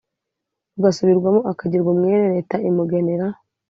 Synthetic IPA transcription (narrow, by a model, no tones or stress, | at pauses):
uɡasuβiɾɡwamoʔakaɟiɾɡumŋeːɾeɾe̞taimuɡe̞neɾa